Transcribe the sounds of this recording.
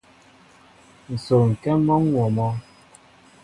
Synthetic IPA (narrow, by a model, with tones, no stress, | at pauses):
n̩˨so˨ŋ̩˨kɛ˦mɔ˦ŋ˦wɔ˨mɔ˦